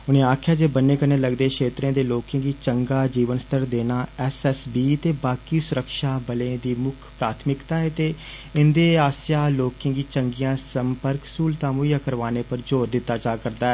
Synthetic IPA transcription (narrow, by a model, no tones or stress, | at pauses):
ʊnẽːaːkʰjaːd͡ʒeːbənːeːkəɾneːləɡd̪eːkʰeːt̪ɾẽːd̪eːloːkẽːɡiːt͡ʃəŋɡaːd͡ʒiːʋənst̪əɾd̪eːnaːɛsɛːsbiːt̪eːbaːkiːsʊɾəkʃaːbəlẽːd̪iːmʊkʰpɾaːt̪ʰmɪkt̪aːɛːt̪eː | ɪnd̪eːaːsjaːloːkɪ̃ːɡiːt͡ʃəŋɡijãːsəmpəɾksuːlt̪ãːmoijaːkəɾʋaːneːpəɾd͡ʒoːɾd̪ɪt̪ːaːt͡ʃaːkəɾd̪aːɛː